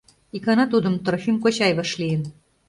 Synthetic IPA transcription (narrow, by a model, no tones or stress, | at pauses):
ikɑnɑt̪ud̪ə̆mt̪rofʲimkot͡ɕɑjβɑʃlijən